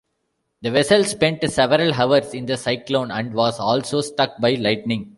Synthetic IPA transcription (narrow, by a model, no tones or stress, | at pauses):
d̪əʋɛsəlspɛ̃ɳʈsɛʋəɾəlɦɐʋəɾsɪ̃nd̪ɐsaɪklõːnæ̃ɳɖʋɔːzɔːlsoːsʈʌk̚baɪlaɪʈnɪ̃ŋ